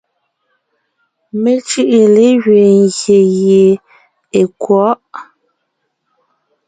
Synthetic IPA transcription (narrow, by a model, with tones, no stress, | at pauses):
me˦t͡ʃɯ˦ʔe˨le˦ɣɥe˨ŋ˨ɡje˨je˨ | e˨kwɔ˨˦ʔ